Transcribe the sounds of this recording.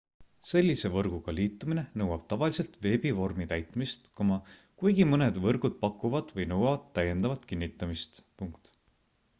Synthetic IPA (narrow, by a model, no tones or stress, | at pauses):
se̞lʲːise̞vɤrɡ̥uɡ̥ɑliːt̪ːˑumine̞nɤwɑb̥̚t̪ɑvɑlise̞lt̪ve̞ːbivo̞rmit̪æjt̪mist̪komɑ | kujɡ̥imɤne̞d̪vɤrɡ̥ud̪̥̚pɑkːˑuvɑd̪̥vɤjnɤwɑvɑt̪ːæje̞nd̪ɑvɑt̪ˑkinːit̪ːˑɑmist̪puŋkt̪